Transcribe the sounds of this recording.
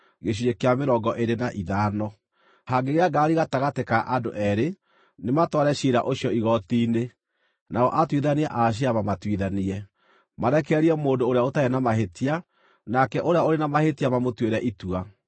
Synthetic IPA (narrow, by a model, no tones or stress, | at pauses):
ɣeɕ̬uekeameɾɔɡɔʔeɾenaʔiðaːnɔ | haŋɡeɣeaɡaɾiɣataɣatekaʔadoʔɛɾe | nematɔɾɛʃiɾa̰ʔoɕjɔiɣɔtiːne | naɣɔ̰ʔatwiðaniaʔaʃ̬iamamatwiðaniɛ | maɾɛkɛɾiɛmoːdoːɾeaotaenamaɦetia | nakɛʔoɾeaoɾenamahetiamamotweɾɛʔitua